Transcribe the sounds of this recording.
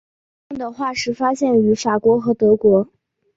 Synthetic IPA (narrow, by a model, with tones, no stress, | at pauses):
d̪ə˨˩xwa˥˩ʂɻ̩˥˩fa˥ɕjɛ˥˩ny˧˥fa˨˩kwɔ˧˥xɤ˧˥t̪ɤ˧˥kwɔ˧˥